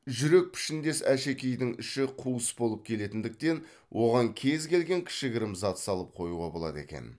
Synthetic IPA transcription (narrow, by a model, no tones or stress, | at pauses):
ʒʏɾe̞k̚pʰɪ̥ʃɪnd̪e̞sæʃe̞kʲejd̪ɪŋɪʃɪqʰuəsbo̞lˠəp̚kʲʰe̞le̞t̪ɪnd̪ɪk̚t̪e̞n | wʔo̞ʁɑŋkʲʰe̞zkʲe̞lɡʲe̞ŋkʲʰɪ̥ʃɪɡʲɪɾɪmzɑt̪sɑlˠəp̚qʰo̞juʁɑbo̞lˠɑ̰d̪e̞̰kʲe̞̰n